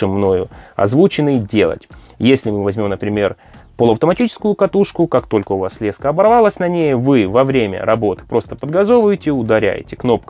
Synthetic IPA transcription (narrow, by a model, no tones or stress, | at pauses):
ɨmːno̞jʊ̰ɐ̰zvut͡ɕɪnːɨdʲe̞lˠə̰tʲ | jesʲlʲɪmɨvɐzʲmʲo̞mnəpɾʲɪmʲe̞r | pəlˠʊɐft̪əmɐtʲit͡ɕɪskʊjʊkɐt̪uʂkʊkakt̪o̞lʲkəʊvaslʲe̞skəɐbɐrvalˠəsʲnɐnʲejəvɨvɐvɾʲemʲə̰ɾɐbo̞t̪ɨ̥pɾo̞st̪əpəd̪̚ɡɐzovʊjɪtʲɪʊd̪ɐɾʲæ̰jɪ̰tʲɪkno̞p̚kʊ